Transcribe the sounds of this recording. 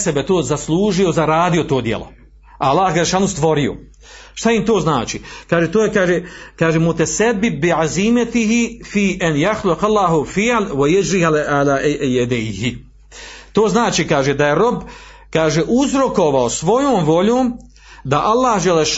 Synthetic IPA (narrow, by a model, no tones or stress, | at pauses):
sebet̪oːzaslˠuːʒio̞zaɾaːd̪io̞t̪oːd̪jḛlˠo̰ | aalˠːaːhd͡ʒɛlːeʃaːnust̪ʋo̞ɾio̰ | ʃt̪aimt̪o̞ːznaːt͡ʃikaːʒet̪oːjekaːʒekaːʒemut̪ɛsabːɪb̚ːiʕazimat̪iɦifiːʔanjaxluqalːaːɦufiʕalwajad͡ʒɾialaːjɛd̪ejhi | t̪oːznaːt͡ʃiːkaːʒed̪ajeɾo̞b | kaːʒeʔuzɾo̞ko̞ʋaosʋo̞joːmʋo̞ʎoːm | d̪aʔalˠːaːhd͡ʒelːeʃ